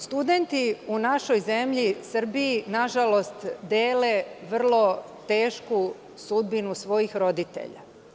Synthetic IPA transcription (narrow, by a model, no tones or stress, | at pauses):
st̪ud̪e̞nt̪iunaʃo̞jzemʎisr̩biːnaʒalo̞st̪d̪eːleʋr̩lˠo̞ | t̪e̞ːʃku | sud̪binusʋo̞jixɾo̞d̪it̪ḛʎa̰